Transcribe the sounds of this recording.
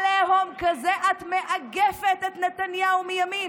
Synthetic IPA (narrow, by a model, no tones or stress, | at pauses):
leɦomkazeʔat̪meʔaɡefet̪et̪net̪anjaumijamin